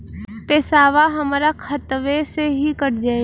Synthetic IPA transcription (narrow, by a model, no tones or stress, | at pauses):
peːsaːʋaɦɐmːɾakʰɐt̪ʋeseɦikɐɾd͡ʒaːe